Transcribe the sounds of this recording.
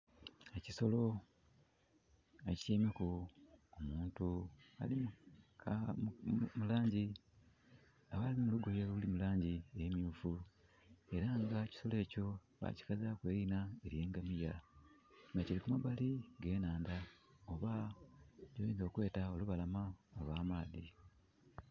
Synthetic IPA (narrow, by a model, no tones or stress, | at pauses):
eciso̞lo̞ | eci̥ceːmekuomuːntua̰li | mulaːɲɟi | aβalimuluɡo̞jeuulimulaːɲɟiejemjuːfu | e̞ɾaŋɡaci̥so̞le̞ːco̞ | βa̰ci̥kazakwe̞ːɾinae̞ɾije̞ːŋɡamija | ŋɡacilikumabaliɡe̞ːnaːndao̞βa | ɟoβeːnzo̞ːkwe̞ːtao̞luβalamaoβaːmaːði